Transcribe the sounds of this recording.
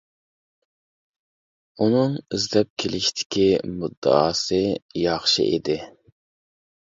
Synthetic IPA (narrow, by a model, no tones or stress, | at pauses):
unɨŋizd̪ɛp̚kʲʰelɪʃt̪ʰɪ̥kʲʰimud̪ːə̰ɑ̰ːsɨjɑχʃɨ̰ʔḛd̪ɪ